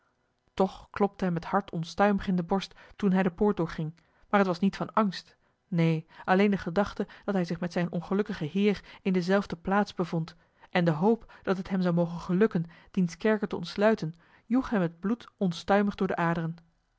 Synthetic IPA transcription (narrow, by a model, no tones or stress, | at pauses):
tɔχklɔp̚təɦɛməthɑɹtʰɔnstœɥməχɪndəbɔɹstːunɦɛjdəpʊːɹt̚dʊːɹχɪŋ | maːɹɦətʋɑsnitfɑnɑŋst | nejʔɑlejndəχədɑχtəd̥ɑtɦɛjzɪχmɛtsɛjnʔɔ̰nχəlɵkəχəɦɪːrɪndəzɛlˠvdəplaːtzbəvɔnt | ʔɛndəɦowpd̥ɑtɦətɦɛmzɑwmowχənχəlɵkənd̥inskɛɹkətəɔntslœɥtən | juχɦɛmɦəd̚blutɔnstœɥməχdʊːɹdəʔaːdərən